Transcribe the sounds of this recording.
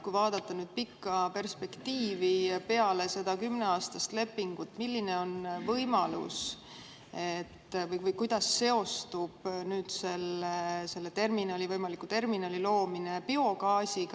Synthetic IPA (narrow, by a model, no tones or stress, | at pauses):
kujvɑːd̪ɑt̪ːˑɑnyːd̪̥̚pikːɑpe̞rspe̞kt̪iːvipe̞ɑle̞se̞d̪ɑkymne̞ɑːst̪ɑst̪le̞pːiŋɡ̥ut̪ːmilːine̞o̞nvɤjmɑlṵs | e̞t̪ːvɤjvɤjkujd̪̥ɑsːe̞o̞st̪ub̥nyːd̪̥se̞lese̞lːe̞t̪e̞rminɑlʲivɤjmɑlikːut̪e̞rminɑːlʲilo̞ːmine̞pio̞kɑːsʲik